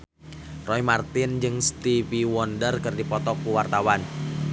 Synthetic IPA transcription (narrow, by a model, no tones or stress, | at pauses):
rɔimart̪ɪnd͡ʒɨŋst̪iviwɔndərkɨrdipɔt̪ɔkːuwart̪awan